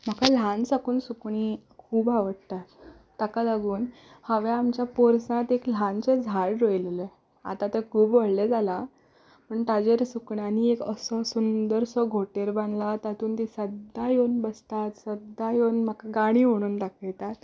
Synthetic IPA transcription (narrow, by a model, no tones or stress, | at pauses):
m̤akal̤ansakuːnsukɳ̃ikʰuːbaʋəɽt̪a | t̪akalaɡuːn | həʋeamt͡ɕjapoɾsãt̪ekl̤ant͡sed͡zʱaɭɾojlele | a̰t̪at̪ekʰuːbʋəɽled͡zʱala | pəɳt̪ad͡ʑeɾsukɳaniekəsɔsund̪əɾsɔɡʱoʈeɾbãnlat̪at̪uːnt̪isəd̪ajonbəst̪at̪səd̪ːajonm̤akaɡaɽ̃iːʋ̤oɽ̃uːnt̪aket̪at̪